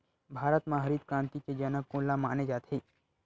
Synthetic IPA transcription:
bʱaːɾət̪mãɦəɾiːd̪kɾãːnt̪iked͡ʒənəkõːlamaːned͡ʒaːt̪ʰɦeː

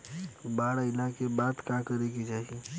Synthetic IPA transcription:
baːɽaɪlakebaːd̪kãkəɾekid͡ʒaːi

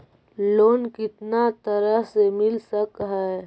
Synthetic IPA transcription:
loːnkɪt̪nat̪əɾəɦsemɪlsəkɦɛː

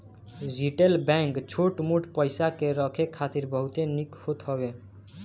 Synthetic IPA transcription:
d͡ʒiʈelbɛ̃ŋkt͡ʃʰoʈmuʈpəɪsakeɾəkʰekʰːat̪iɾbəɦut̪enikhot̪ɦəbe

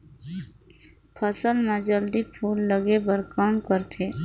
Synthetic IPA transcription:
pʰəsəlmẽd͡ʒəld̪ipʰuːlːəɡebəɾkaːnkəɾt̪ʰeː

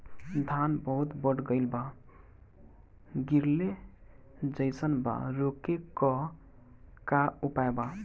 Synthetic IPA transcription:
d̪ʱanbəɦut̪bəʈɡəɪlba | ɡiɾle | d͡ʒəɪsənba̰ɾokekɔ | kaupaeba

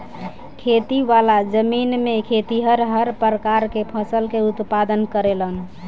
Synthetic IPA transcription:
kʰet̪iʋalad͡ʒəminmekʰet̪iɦəɾɦəɾpɾəkaɾkepʰəsəlkeut̪pad̪ənkəɾelən

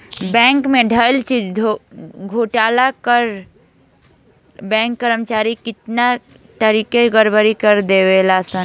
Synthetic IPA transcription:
bɛ̃ŋkmeɖʱəlt͡ʃid͡ʒʱoɡʱoʈalakəɾ | bɛ̃ŋkːəɾəmt͡ʃaɾikit̪na | t̪əɾikeɡəɾbəɾikəɾd̪ebelasən

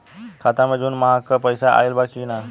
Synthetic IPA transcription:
kʰat̪aməd͡ʒuːnməɦakəpəjsaʔa̰ilbakina

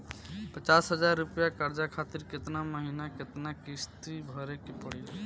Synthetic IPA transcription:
pət͡ʃasɦəd͡ʒaɾːupjakəɾd͡ʒakʰat̪iɾket̪naməɦinaket̪nakist̪ibʱəɾekepəɽil

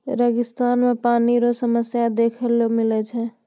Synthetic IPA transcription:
ɾəɡɪst̪anmepaniɾosəməsjad̪ekʰəlomilɛt͡ʃʰɛ

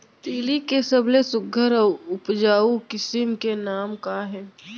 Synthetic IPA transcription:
t̪eːlikesəblesʊɡʱəɾɔʊpd͡ʒaːukɪsɪmkenaːmkaɦɛː

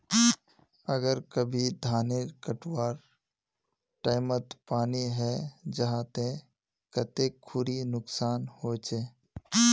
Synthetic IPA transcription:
əɡəɾkəbʱid̪ʱaːneɾkəʈwaːɾ | ʈaːɪmət̪paːniɦɛd͡ʒəɦaːt̪ẽ | kət̪ekʰːʊɾinʊksaːnhoːt͡ʃeː

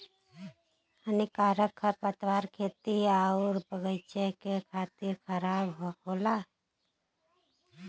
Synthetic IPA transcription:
ənikaːɾəkʰːəpət̪ʋaːɾkʰeːt̪iaːuɾpəɡəjt͡ʃekekʰaːt̪ɪɾkʰəɾaːbɦoːla

